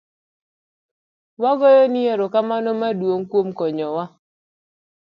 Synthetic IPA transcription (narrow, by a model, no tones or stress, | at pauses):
waɡɔjɔnɪeɾokamanɔmadwoŋkwomkɔɲɔwa